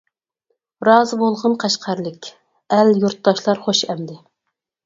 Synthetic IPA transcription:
ɾɑːzɨbolˠʁənqʰæʃqʰɑɾlɪkʲ | æljuɾt̪ːɑʃlˠɑɾχoʃɛmd̪ɪ

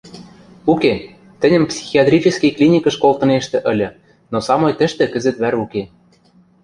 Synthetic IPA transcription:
uke | t̪ɘ̆nʲə̆mpsʲi̥xiɑt̪rʲit͡ɕɘ̆skiklʲinʲikɤ̆ʃkolt̪ɤ̆neʃt̪ĕʔɘ̆lʲɤ̆ | nosɑmojt̪ə̆ʃt̪ĕkə̆zɘ̆t̪βæɾuke

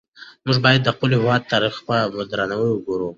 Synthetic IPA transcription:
muʐbɑjad̪ːəqulihɪwɑd̪̚t̪ɑɾixpamʊd̪ɾanawəwəɡoɾu

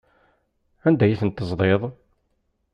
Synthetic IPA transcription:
ænd̪æjiθənt̪ːəzˤðˤeðˤ

